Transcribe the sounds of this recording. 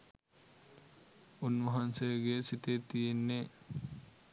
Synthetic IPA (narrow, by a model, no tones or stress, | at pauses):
unʋɐɦɐnsejɡesit̪et̪ijenːe